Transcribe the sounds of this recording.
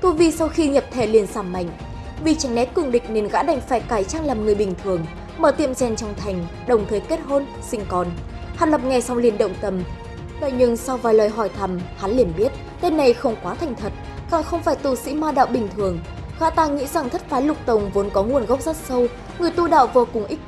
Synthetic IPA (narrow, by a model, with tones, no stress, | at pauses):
t̪u˧jvi˧sa˧wxi˧ɲə˨˩p̚t̪ʰe˧˩li˨˩ənsaː˧˩mːa̰˧˨jŋ̟ | vi˨˩t͡ɕa˨˦jŋ̟nɛ˦˥t̚kɨ˨˧˩ŋɗï˨˩k̟̚ne˨˩nɣa̰ː˧˥ɗa˧˩jŋ̟faː˧˩jkaː˧˩jt͡ɕaː˧ŋlaː˨˩mŋɨ˨˩əjɓï˨˩ŋ̟t̪ʰɨ˨˩əŋ | məː˧˩t̪ḭ˧˨əmt͡ɕɛ˧˩nt͡ɕwŋ͡mt̪ʰa˨˩jŋ̟ɗə˨˩wŋ͡mt̪ʰəː˨˦jke˦˥t̚ɦo˧n | sï˧ŋkɔ˨˩n | haː˨˩nlə˨˩p̚ŋa˨˩jsa˧wli˧˩ənɗə̰˧˨wŋ͡mt̪ə˧˩m | ɗo̰˧˨jɲɨ˧ŋsa˧wvaː˨˩jlwaː˨˩jɦɔ˧˩jt̪ʰa˨˩mha˨˦nli˧˩ənɓi˦˥ət̚ | t̪e˧nːa˨˩jxə˧wŋ͡mkwaː˨˦t̪ʰa˨˩jŋ̟t̪ʰə˨˩t̚ɣa̰ː˧˨˩xə˧wŋ͡mfaː˧˩jt̪u˧˩sḭ˧˥maː˧ɗa̰ː˧˨wɓï˨˩ŋ̟t̪ʰɨ˨˩əŋ | ɣa̰ː˧˥t̪aː˧ŋḭ˧˥za˨˩ŋt̪ʰə˦˥t̚faː˨˦jlʊ˨˩k͡p̚t̪ə˨˩wŋ͡mvo˨˦nkɔ˨˦ŋu˨˩ənɣə˦˥wp̚zaː˦˥t̚sə˧w | ŋɨ˨˩əjt̪u˧ɗa̰ː˧˨wvo˧kʊ˨˩ŋʔï˦˥